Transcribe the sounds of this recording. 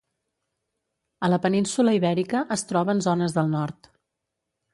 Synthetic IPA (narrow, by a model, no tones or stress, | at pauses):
ələpəninsuləiβɛɾikəʔəst̪ɾɔβəːnzɔnəzðəlˠnɔɾt̪